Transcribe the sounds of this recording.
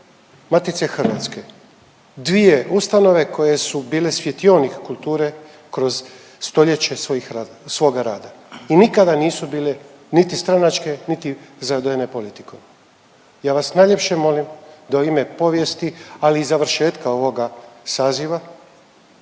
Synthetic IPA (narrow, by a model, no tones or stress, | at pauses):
mat̪it̪se̞xrʋa̰t̪ske̞ | d̪ʋije̞ust̪ano̞ʋe̞kʰo̞je̞subiːle̞sʋʲjet̪jonikkulˠt̪uːɾe̞ | kɾo̞z̥ | st̪o̞ʎe̞t͡ɕe̞sojixa | sʋo̞ːɡaɾaːd̪ainikad̪aniːsubiːle | nit̪ist̪ɾanat͡ʃke̞nit̪izaad̪ojene̞po̞lit̪i̥ko | jaːʋasnajʎepʃe̞mo̞limd̪auime̞po̞ʋje̞st̪ialiːzaʋr̩ʃe̞ːt̪kao̞ʋo̞ɡasaːziʋa